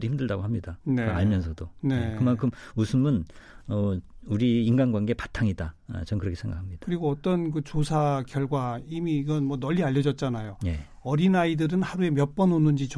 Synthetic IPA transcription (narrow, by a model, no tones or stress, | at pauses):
ɾiçimdɯɭdaɡohamɲidaneaɭmjʌnsʰʌdone̞ekɯmaŋkʰɯmusʰɯmɯnʌuɾiːŋɡanɡwanɡe̞patʰaŋida̰t͡ɕʌnkɯɾʌkʰesʰeŋɡa̰kʰamɲid̥ḁkɯɾiɡoʌt͈ʌnkɯt͡ɕosʰaɡjʌɭɡwaimiːɡʌnmwʌnʌʎːiaʎːʌd͡ʑʌt̚t͡ɕ͈anajone | ʌɾinaidɯɾɯnhaɾue̞mjʌp͈ʌnonɯnd͡ʑit͡ɕ